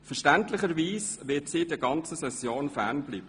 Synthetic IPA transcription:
fəɾʃtæntlɪχəɾʋiːsʋɪtsiːdiɡɑnt͡səsɛsjoːnfæɾnb̥liːb̥ə

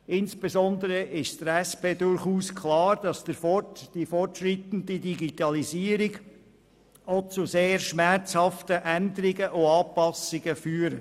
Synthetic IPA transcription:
ɪnsb̥ezɔndəɾəʔɪʃd̥əɾɛspeːdʊɾχuːskʰlɑːɾd̥ɑsd̥əɾfɔtd̥ifɔrtʃɾit̪ən̩didiɡit̪ɑliziːəɾiɡ | ɔt͡sʊseːɾʃmæɾt͡shɑft̪əʔænd̪əɾɪɡəʔʊɑːpɑsɪɡ̥əfyːɾə

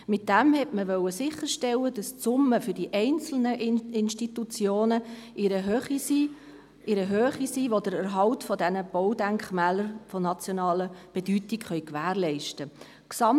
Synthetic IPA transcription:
mɪt̚d̥æmhɛtməʋœwəsɪχːəɾʃtɛlədɑst͡sʊməfʏɾd̥iʔɛɪnt͡sl̩nəʔɪnʃtitut͡sjoːnəʔɪɾəɦøχisi | ʔɪɾəɦøːχisiːʋod̥əɾəɾɦɑwtfɔdɛnəb̥ɔwdæŋkχmæːləɾfɔnɑt͡sjɔnɑːləb̥ɛd̥ytikχœɥkʋæːɾlɛɪʃtə | ksɑm

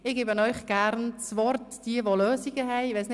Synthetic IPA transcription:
ɪɡ̥eːbənɔʏχɡ̥ærnt͡sʋɔrtd̥iəʋoløːsiɡəɦɛɪʋesnɪ

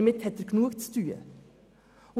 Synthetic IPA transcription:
mɪt̪hɛt̪əɾkʰnuːkt̪st̪ʉːə̰

